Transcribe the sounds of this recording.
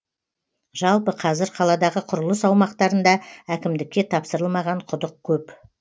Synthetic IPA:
ʒ̥ɑlˠpəqʰɑzɪɾqʰɑlˠɑd̪ɑʁəqʰʊɾʊlˠəsɑwmɑqt̪ɑɾənd̪ɑækʲɪmd̪ɪkʲːe̞t̪ʰɑpsəɾəlˠmɑʁɑɴqʰʊd̪əq̚kʲʰɵp

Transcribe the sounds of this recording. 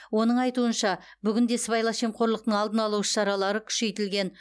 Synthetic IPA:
wo̞nəɴɑjt̪uənʃɑ | bʏɡʲɪnd̪e̞sβɑjlˠɑʃe̞mqʰo̞ɾlˠəq̚t̪əɴɑlˠd̪ənɑlˠuʃə̥ʃɑɾɑlˠɑɾəkʲʰʏ̥ʃe̞jt̪ɪlɡʲe̞n

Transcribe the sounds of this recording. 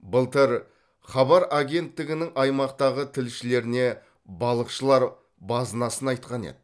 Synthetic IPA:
bəlˠt̪əɾ | χɑbɑɾaɡʲe̞nt̪ːɪɡʲɪnɪŋʔɑjmɑqt̪ɑʁət̪ʰɪlʃɪle̞ɾɪne̞ | bɑlˠəqʃəlˠɑɾ | bɑzənɑsənɑjt̪qɑnḛd̪ɪ

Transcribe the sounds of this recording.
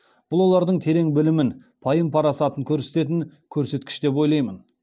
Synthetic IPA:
b̥ʊlˠwo̞lˠɑɾd̪əɴt̪ʰe̞ɾe̞ŋbɪlɪmɪn | pʰɑjəmpʰɑɾɑsɑt̪əŋkʲʰɵɾse̞̥t̪e̞t̪ɪŋkʲʰɵɾse̞t̪kʲɪ̥ʃd̪e̞p̬wo̞jlˠɑjmən

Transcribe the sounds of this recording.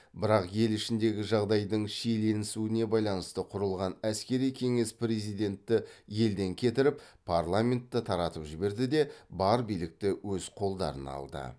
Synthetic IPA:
bɪɾɑqje̞lɪʃɪnd̪e̞ɡʲɪʒɑʁd̪ɑjd̪əɴʃele̞nɪsuɪne̞bɑjlˠɑnəst̪əqʰʊɾəlˠʁɑnæskʲe̞ɾijkʲʰe̞ŋe̞spre̞zijd̪e̞nt̪ːɪje̞ld̪e̞ŋkʲʰe̞t̪ɪɾɪppʰːarlˠamʲe̞nt̪ːət̪ʰɑɾɑt̪əpʒɪbe̞ɾd̪ɪd̪e̞bɑɾbijlɪk̚t̪ɪwɵzqʰo̞lˠd̪ɑ̰ɾənɑ̰lˠd̪ə̰

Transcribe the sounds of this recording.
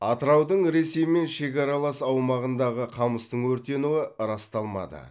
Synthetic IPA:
ɑt̪əɾɑwd̪əɴɾe̞se̞jme̞nʃe̞kʲɑɾɑlˠɑsɑwmɑʁənd̪ɑʁəqʰɑməst̪əɴwɵɾt̪e̞nuəɾɑst̪ɑlˠmɑ̰d̪ə̰

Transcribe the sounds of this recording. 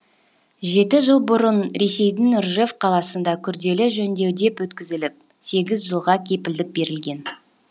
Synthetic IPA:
ʒe̞t̪ɪʒəlˠbʊɾənɾe̞se̞jd̪ɪŋrʒefqʰɑlˠɑsənd̪ɑkʲʰʏɾd̪e̞lɪʒɵnd̪e̞wd̪e̞pwɵt̪kʲɪzɪlɪp̚ | se̞ɡʲɪzʒəlˠʁɑkʲʰe̞pɪld̪ɪk̚be̞ɾɪlɡʲe̞n

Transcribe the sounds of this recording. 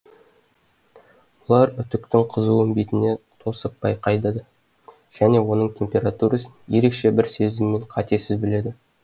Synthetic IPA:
olˠɑɾʏt̪ʏk̚t̪ɪŋqʰəzuwmbit̪ɪne̞t̪ʰo̞səp̚b̥ɑjqʰɑjd̪ɑd̪ə | ʒ̥æne̞wo̞nəɴt̪ʲʰe̞mpʲe̞ɾat̪uɾasənje̞ɾe̞kʃe̞bɪɾse̞zɪmːe̞ɴqʰɑt̪e̞sɪzbɪle̞d̪ɪ

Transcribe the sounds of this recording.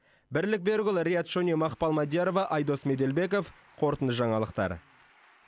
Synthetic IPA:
bɪɾlɪk̚be̞ɾɡʲʏlˠɾʲijat̪ʃonʲimɑχpɑlˠmɑd̪ʲijaɾovɑʔɑjd̪o̞sme̞d̪e̞lbe̞k̬o̞f | qʰo̞ɾt̪ənd̪əʒɑɴɑlˠəqt̪ɑ̰ɾ

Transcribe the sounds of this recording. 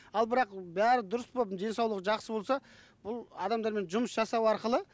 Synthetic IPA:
ɑlˠbɪɾɑqbæɾɪd̪ʊɾəsbod̪e̞nsɑwlˠəqʒɑqsəbo̞lˠsɑ | bʊlˠɑd̪ɑmd̪ɑɾme̞nʒʊməsʒɑsɑwɑɾqəlˠə

